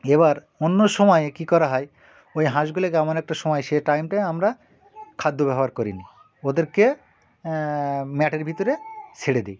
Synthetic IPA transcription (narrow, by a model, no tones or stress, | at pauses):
eβaɾ | onːoʃɔmɔekikɔɾaɦɔe | ojɦãʃ̬ɡulekeamonɛk̚ʈaʃɔmɔjʃeʈajmʈaamɾa | kʰad̪ʱːobɛɦoaɾkoɾini | od̪eɾke | mɛʈeɾbʱit̪oɾesʰeɽed̪ej